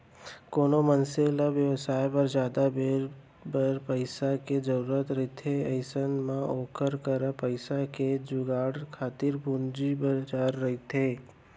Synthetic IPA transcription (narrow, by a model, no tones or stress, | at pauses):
koːnomənselaʋjəʋsaːjpɐɾd͡ʒjaːd̪abeːɾ | bəɾpəɪsaked͡ʒɐɾuɾət̪ɾɐɦit̪ʰeɐɪsənmãoːkʰəɾkəɾapəɪsaked͡ʒʊɡaːɽkʰaːt̪ɪɾbʊnd͡ʒibəd͡ʒaːɾːɐɦit̪ʰeː